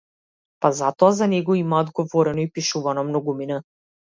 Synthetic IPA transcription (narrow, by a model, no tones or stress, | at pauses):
pazat̪ɔazanɛɡɔimaɔd̪ɡɔvɔɾɛnɔipiʃuvanɔmnɔɡumina